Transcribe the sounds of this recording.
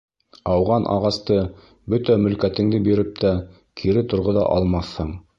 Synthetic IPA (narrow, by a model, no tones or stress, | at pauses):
ɑwʁɑnʔɑ̰ʁɑst̪ɤ | bɵt̪æmɵ̆lkæt̪ɘ̆ŋd̪ɘbiɾɘp̚t̪ʰæ | kʰiɾɘt̪ŏɾʁoðɑ̰ʔɑlˠmɑθhɤɴ